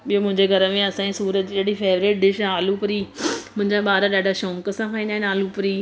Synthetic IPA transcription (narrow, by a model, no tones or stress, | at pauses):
ɓijomʊ̃ɦɪ̃ɲd͡ʑeɡʱɐɾəmẽɐsãːĩsuːɾət̪̚d͡ʑiːɐɽifeːʋɾeːʈ̚ɖɪʃaːlupəɾiːmʊ̃ɦɪ̃ɲd͡ʑaɓaːɾaɗaːɖʱaʃɔ̃ːŋkəsãfʰãːĩnd̪aːẽnaːlupəɾiː